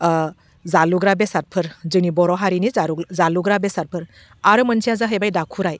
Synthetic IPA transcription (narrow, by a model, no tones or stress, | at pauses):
zaluɡɾabesaɾ̚pʰɯɾzɯnibɔɾɔɦaɾiniɾzaluɡɾabesaɾ̚pʰɯɾ | aɾɯmənsʰijazaɦəjbajdakʰuɾaj